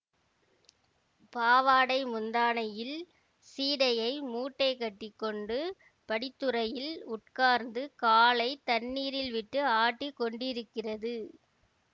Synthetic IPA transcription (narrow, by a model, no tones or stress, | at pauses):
paːʋaːɽɐɪmʊnd̪aːnɐjɪl | siːɽɐjɐɪmuːʈːɐɪkɐʈːɪkːɔɳɖɯ | pɐɽɪt̪ːɯrɐjɪlʊʈkaːɾnd̪ɯkaːlɐɪt̪ɐnːiːɾɪlʋɪʈːɯaːʈːikːɔɳɖɪɾɯkːɪrɐðɯ